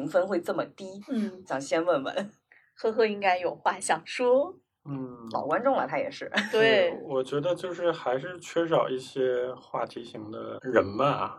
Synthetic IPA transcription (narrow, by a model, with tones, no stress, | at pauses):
i˧˥ŋfə˥nxwe˥˧ɪt͡sɤ˥˩mə˩t̪i˥ɕjɑ˨˩ŋɕjɛ˥nwə˥˩nbə̰˨˩ | xɤ˥xɤ˥i˥ŋka˥ɪjo˨˩ʊxwa˥˩ɕjɑ˨˩ŋʂwɔ˥ | n̩˥˩lɑ̰˨˩ʊkwa˥nʈ͡ʂʊ˥˩ŋlə̰˨˩t̪ʰa˧˥jɛ˨˩ʂɻ̩˥˩t̪we˥˩ɪwɔ˨˩t͡ɕɥɛ˧˥d̪ə˧t͡ɕjo˥˧ʊʂɻ̩˥˩xa˧˥ɪʂɻ̩˥˧t͡ɕʰɥɛ˥ʂ̬ɑ˨˩ʊi˥˩ɕjɛ˥xwa˥˩t̪ʰi˧˥ɕi˧˥ŋd̪ə̰˧ɻə˧˥nmɐ˦˩